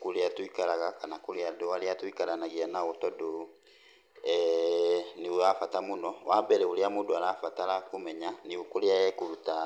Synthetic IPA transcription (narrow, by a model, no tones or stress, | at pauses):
kuleatwikalaɣakanakuliadowaliatwikalanaɣianaɣotɔdo | niweafatamunɔwabɛɾɛuliamodoaɾafatalakumɛɲaniwkuleajɛkuɾuta